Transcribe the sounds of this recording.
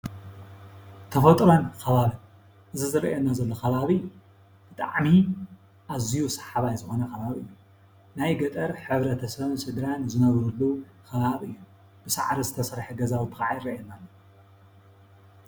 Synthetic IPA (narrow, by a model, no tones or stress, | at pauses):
t̪ʰɐfot̪ʼɾonkʰɐβaβɨ | ʔɨzizɨɾɐ̰ʔenːazɐlːoxɐβaβɨjːu | b̥ɨt̪ʼa̰ʕmi | ʔazijusḁħaβajzɨxo̞nɐxɐβaβiɨjːu | najɡɐt̪ʼɐɾħɨβɾɐt̪ʰɐsɐβsɨd̪ɾanzɨnɐβɾulːu | kʰɐβaβʔɨjːu | b̥ɨsa̰ʕɾizɨt̪ʰɐsɐɾħɨɡɐzawɨt̪ʰɨ̥xaʕajɾɾɐʔenːalːo